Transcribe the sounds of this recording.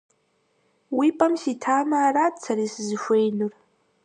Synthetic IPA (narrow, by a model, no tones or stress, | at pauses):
wiːpʼɐmsiːtʰaːmaːraːtt͡sʰɐɾiːsɨzɨʃʷejnur